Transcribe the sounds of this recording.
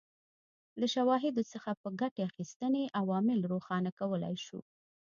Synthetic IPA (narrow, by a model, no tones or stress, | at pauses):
laʃawɑɦɪd̪osəxapəɡaʈeaxist̪əneʔawɑmɪlɾoxɑnakawəla̰jʃṵ